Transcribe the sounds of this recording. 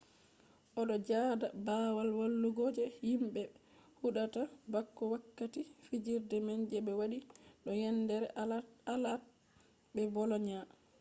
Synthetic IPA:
ʔɔɗɔd͡ʒaːdabawalwalːuɡod͡ʒɛhimɓɛ | huɗatabakːɔwakːatifid͡ʒiɾdɛmɛnd͡ʒɛɓɛwaɗiɗɔjɛndɛɾɛalat̚ | bɛbɔlɔɲa

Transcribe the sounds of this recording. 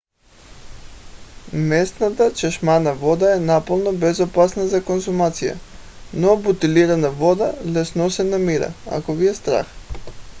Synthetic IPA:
mɛst̪nat̪at͡ʃɛʃmanavɔd̪aɛnapəlˠnɔbɛzopasnazakonsumat̪sija̰ | nɔabut̪iliɾanavɔd̪alɛsnɔsɛnamiɾa̰a̰koviɛst̪ɾa̰x

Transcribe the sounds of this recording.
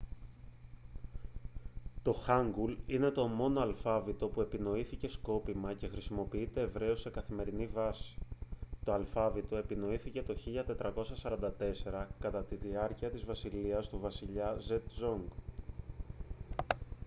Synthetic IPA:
t̪o̞xɐŋɡuline̞t̪o̞mo̞noɐlfɐvit̪o̞pue̞pino̞iθice̞sko̞pimɐce̞xɾisimo̞piit̪e̞ːvɾe̞o̞se̞kɐθime̞ɾinivɐsi̥t̪o̞ɐlfɐvit̪o̞e̞pino̞iθice̞t̪o̞çiʎɐt̪e̞t̪ɾɐko̞sɐsɐɾɐnd̪ɐt̪e̞se̞ɾɐkɐt̪ɐt̪iðiɐɾciɐt̪izvɐsiliɐst̪uvɐsiʎɐze̞t̪zoŋɡ

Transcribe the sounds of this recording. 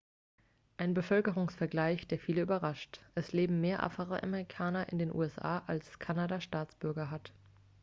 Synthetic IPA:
ʔaɪnbəfœlkəʁ̞ʊŋsfɛɐɡlaɪçd̥eːɐfiːləyːbɐʁaʃtʔɛsleːbm̩meːɐʔa̰fəʁəʔa̰mɛʁikʰaːnɐʔɪ̰ndeːnʔṵːɛsʔa̰ːʔalskʰanadaʃtaːt͡sb̥ʏɐɡɐɦat

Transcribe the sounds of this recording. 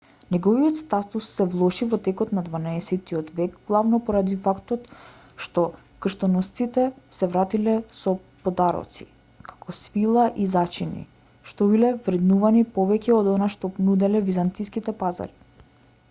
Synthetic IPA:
nɛɡɔviɔt̪st̪at̪usːɛvlˠɔʃivɔt̪ɛkɔt̪nad̪vanaɛsɛt̪iɔt̪vɛɡɡlˠavnɔpɔɾad̪ifakt̪ɔt̪ | ʃt̪ɔ | kr̩ʃt̪ɔnɔst̪sit̪ɛsɛvɾat̪ilɛsɔ | pɔd̪aɾɔ̰t̪si̥̰ | kʰḁkɔsfilˠaʔizat͡ʃinḭ | ʃt̪ɔbilɛvɾɛd̪nuvanipɔvɛcɛɔd̪ɔnaʃt̪ɔnud̪ɛlɛvizant̪iskit̪ɛpaza̰ɾi

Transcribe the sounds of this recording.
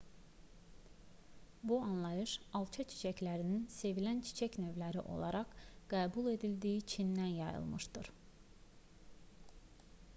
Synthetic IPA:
buɑnlˠɑjɯʃɑlˠt͡ʃʰɑt͡ʃʰi̥t͡ʃʰæclæɾininse̞vilænt͡ʃʰi̥t͡ʃʰæcnø̞vlæɾiʔo̞̰lˠɑ̰ɾɑʁɡ̥æːbulˠe̞d̪ilʲd̪ijit͡ʃʰind̪ænjɑjɯ̰lˠmɯʃd̪ɯɾ̥

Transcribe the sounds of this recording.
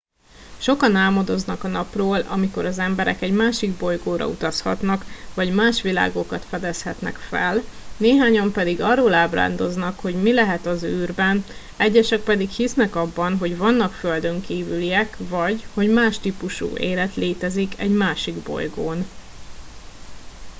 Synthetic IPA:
ʃo̞kɒnaːlmod̪o̞znɒkɒnɒproːlɒ̰miko̞ɾɒzɛmbɛɾɛ̰kɛɟmaːʃiɡbo̞jɡoːɾɒ̰ut̪ɒshɒ̰t̪nɒkvɒɟmaːʃʋila̰ːɡo̞kɒt̪fɛd̪ɛshɛt̪nɛ̰kfɛlneːɦaːɲɒmpɛd̪iɡɒrːoːlaːbra̰ːnd̪o̞znɒkho̞ɟmilɛɦɛt̪ɒzyːrbɛn | ɛɟːɛʃɛk̚pɛd̪ikhisnɛkɒbːɒnɦo̞ɟvɒnːɒkføld̪ø̞ŋkiːvylijɛkvɒɟho̞ɟmaːʃt̪ipuʃṵːʔḛːlɛt̪leːt̪ɛzikɛɟmaːʃiɡbo̞̰jɡoːn

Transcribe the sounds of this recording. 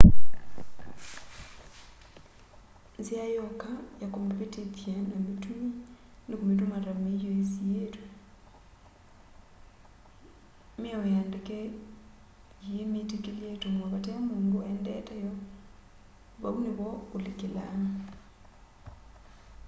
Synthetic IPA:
zjajɔkajakompetetjanamitumi | nekomet̬omaɾamiɔezietwe | miawejandekɛ | jemitekeliatomwaβatɛamoːŋɡoɛndɛ̰tɛjɔ | βauneβɔolekela̰ma

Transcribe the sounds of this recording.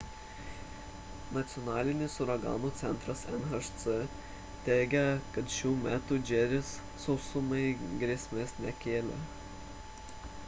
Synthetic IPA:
nɐt̪sʲɪjɔnɑːlʲɪnʲɪsʊɾɐɡɑ̰ːnuːt̪sʲɛnt̪ɾɐsɛnɐʃt̪sɨ | t̪ʲɛːɡʲɛkɐt̪ʃʲuːmʲæːt̪uːd͡ʒʲɛɾʲɪsːɔʊsʊmɐɪɡɾʲeɛsʲmʲeːsmʲɛkʲeːlʲɛ̰

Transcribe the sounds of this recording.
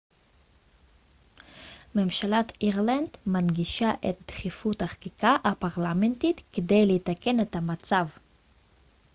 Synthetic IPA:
memʃalatiʁland̪manɡiʃaʔet̪̚d̪̥χifuthaχḁkikaʔapaʁlament̪it̪ked̪e̞jleit̪ake̞net̪hamat͡sav

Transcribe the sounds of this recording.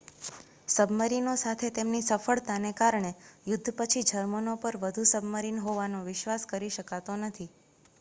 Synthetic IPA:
səbməɾinosat̪ʰet̪emnisəfəɭt̪anekaɾɳejʊd̪ʱːpət͡ʃʰid͡ʒʱəɾmənopəɾʋəd̪ʱusəbməɾinɦoʋanoʋɪʃʋaskəɾiʃəkat̪onət̪ʰi

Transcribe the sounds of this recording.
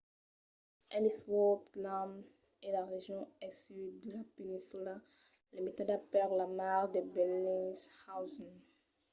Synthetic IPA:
ɛliswoplam | elaʁeʒjɔ̃ɛsyd̪ːəlapenĩnsyla | limet̪ad̪apɛʁlamaʁd̪ebɛlĩnshawzɔn

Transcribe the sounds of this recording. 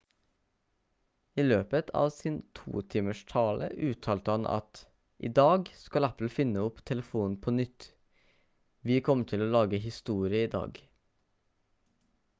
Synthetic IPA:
iːløːpət̪ʰɑ̰ːʋsiːnt̪ʰṵːt̪ʰiːməʃt̪ʰɑːlʔə̰ʔʉːt̪ʰɑːlt̪əhɑnʔɑ̰t̪ | ʔḭːd̪ɑːɡskɑlæpl̩fɪnəʊpt̪ʰɛləfuːn̩pʰɔnʏt̪ | ʋiːkʰɔmʈʰɪloːlɑːɡəhɪst̪uːɾɪəiːd̪ɑ̰ːɡ

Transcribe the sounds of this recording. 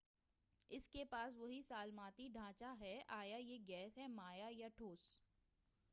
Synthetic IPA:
ɪskepaːs̬ʋɐɦisaːlmãːt̪iɖʱãːt͡ʃaɦɛaːjajeɡɛːsɦɛmaːjajaʈʰoːs

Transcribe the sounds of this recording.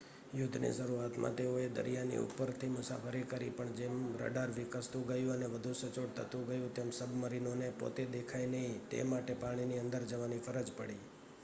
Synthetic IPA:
jʊd̪ʱnḭsəɾuat̪mʔã̰t̪eoed̪ə̰ɾijanḭṵpːəɾt̪ʰimʊsa̰fʰəɾikəɾḭpəɳd͡ʒemɾə̰ɖaɾʋɪkəst̪ũɡəjũəneʋəd̪ʱũsət͡ʃoɽt̪ʰət̪ũɡəjũt̪emsəbʱməɾinonepo̰t̪ed̪ekʰajnəɦĩt̪ḛmaʈepaɽ̃iniə̃nd̪əɾd͡ʒəʋanifʰəɾəd͡ʒpəɽi

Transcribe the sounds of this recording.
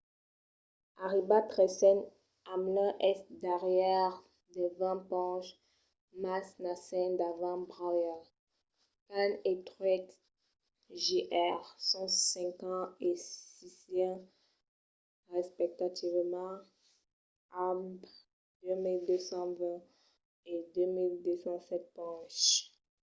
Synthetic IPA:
aʁibatʁɛsɛn | amlɛ̃ʔɛsd̪aʁjɛʁ | d̪əvɛ̃pɑ̃ʃ | masnasɛnd̪avãbʁaja | kanet̪ʁwɛt̪ | ʒiʔɛʁsɔ̃sɛ̃kɑ̃esisɛ̃ | ʁɛspɛk̚t̪at̪ivmɑ̃ | am | d̪ømild̪øsɑ̃vɛ̃ | ed̪ømild̪øsɑ̃sɛt̪̚pɑ̃ʃ

